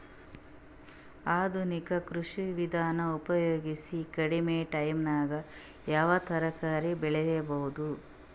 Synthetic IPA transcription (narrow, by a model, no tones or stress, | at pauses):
aːd̪ʱunikɐkɾuʂiʋid̪ʱaːnɐupɐjoːɡisikɐɽimeːʈɐjmnaːɡɐ | jaːʋɐt̪ʰɐɾɐkaːɾibɛɭɛjebɐɦud̪u